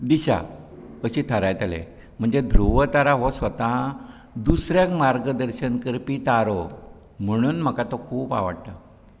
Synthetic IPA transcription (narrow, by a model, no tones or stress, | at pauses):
d̪iɕa̰ | əɕiːt̪ʰəɾajt̪alḛ | m̤əɳd͡zed̪ʱɾuʋət̪aɾaɦosʋət̪ã | d̪usɾjakmaɾɡəd̪əɾɕənkəɾpit̪aɾo | m̤əɽ̃uːnm̤əkat̪okʰuːpa̰ʋa̰ɽt̪ə